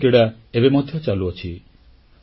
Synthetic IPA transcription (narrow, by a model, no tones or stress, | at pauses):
keɽa | ebemɔd̪ʱjɔt͡ʃaluɔt͡ʃʰi